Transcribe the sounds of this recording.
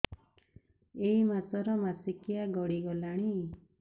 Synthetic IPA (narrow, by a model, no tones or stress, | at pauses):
eimat͡sɔɾɔmasikijaɡɔɽiɡɔlaɽ̃i